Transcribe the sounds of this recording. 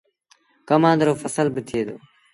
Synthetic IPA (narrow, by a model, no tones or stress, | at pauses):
kəmãːnd̪ɾoːfəsəlbɪt̪ʰɪeːd̪oː